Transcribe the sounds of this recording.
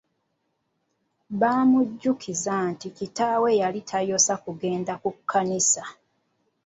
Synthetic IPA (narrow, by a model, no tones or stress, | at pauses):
βaːmuɟːukʰizanticitaːwejalitʰajo̞sakuɡe̞ːndakukʰːanisa